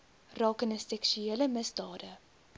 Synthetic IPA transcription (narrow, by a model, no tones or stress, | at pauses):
rɑːkənəsɛkʃyeːləməsdɑːdə